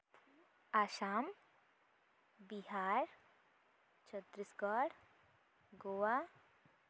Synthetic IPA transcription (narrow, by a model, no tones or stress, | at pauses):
aːʃaːm | biɦaːɾ | t͡ʃət̪ɾɪsɡɔɾ | ɡowa